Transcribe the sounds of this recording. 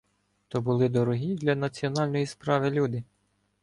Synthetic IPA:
t̪ɔbʊlˠɪd̪ɔɾɔɦʲid̪lʲɐnɐt͡sʲiɔnɑlʲnɔjispɾɑʋɪlʲud̪ɪ

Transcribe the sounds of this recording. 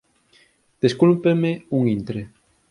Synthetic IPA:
d̪̥eskulpemeuŋint̪ɾe

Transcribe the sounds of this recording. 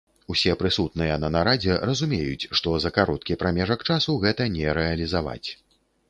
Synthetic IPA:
usʲɛpɾɨsut̪nɨjɛnɐnaɾad͡zʲɛrɐzumʲejut͡sʲʂt̪ɔzɐkaɾɔt̪kʲipɾamʲɛʐɐkt͡ʂasuɣɛt̪ɐnʲɛɾɛɐlʲizava̰t͡sʲ

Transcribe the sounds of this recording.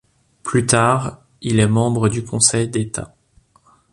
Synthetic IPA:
plyt̪aːʁ | ilɛmɑ̃bʁəd̪ykʰɔ̃sɛjd̪et̪a̰

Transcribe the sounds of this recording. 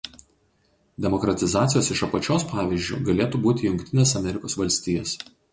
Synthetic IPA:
d̪ʲɛmɔkɾɐt̪ʲɪzɑːt̪sʲɪjoːsɪʃɐpɐt͡ʃʲoːspɑːʋʲɪʒʲd͡ʒʲṵɡɐlʲeːt̪uːbuːt̪ʲɪjʊŋkʲt̪ʲɪnʲeːsɐmʲɛɾʲɪkoːsʋɐlʲsʲt̪ʲiːjɛs

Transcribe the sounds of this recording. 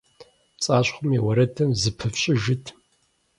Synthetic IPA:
t͡sʼaːɕχʷʊmiwɐɾɐtʰɨmzɨpʰɨfɕʼɪʒɪtʰ

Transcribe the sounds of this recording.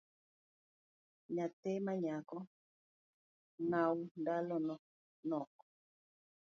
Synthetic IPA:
ɲatemaɲakɔ | naundalɔnɔ | nɔkɔ

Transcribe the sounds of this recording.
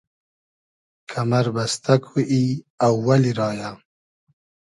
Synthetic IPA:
kʰamaɾbast̪akwuʔi | awːaliɾɑːja

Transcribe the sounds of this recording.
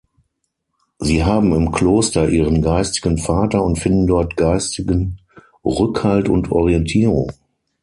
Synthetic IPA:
ziːɦaːbm̩ɪmkʰl̥oːstɐʔiːʁənɡaɪstɪ̥ɡənfaːtɐʊntfɪndn̩dɔɐtɡ̥aɪstɪɡən | ʁʏkhaltʊ̰ntʰʔɔ̰ʁiɛntʰiːʁʊ̰ŋ

